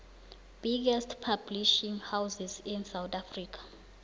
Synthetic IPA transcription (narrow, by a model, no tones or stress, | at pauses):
b̥iɡɛstʰpʰabliʃiŋhawzizinsawt̪afriːkʰḁ